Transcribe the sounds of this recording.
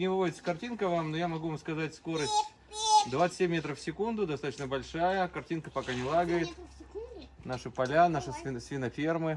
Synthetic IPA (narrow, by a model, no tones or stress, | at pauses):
nʲɪvɨvodɪt̪sə̥kɐrtʲinkəvamnojamɐɡuvamskɐzatʲsko̞ɾəsʲtʲ | d̪vat̪sɨ̥emʲːe̞t̪ɾəfsʲɪkund̪ʊd̪ɐst̪at̪ɕnəbɐlʲʂajəkɐrtʲinkəpɐkanʲɪlˠaɡəjɪt̪ | naʂɨpɐlʲanaʂɨsʲɪsvʲinɐfʲermɨ